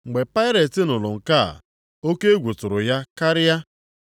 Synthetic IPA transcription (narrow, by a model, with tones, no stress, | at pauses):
ŋ͡m̩˨ɡ͡be˨pa˦ɪ˦ɾe˨tɪ˦nʊ˨lʊ˨ŋ̩˨ka̰˦˨ | o˦ke˦e˦ɡʷu˨tʊ˨ɾʊ˨ja˦ka˦ɾɪ˦ja˦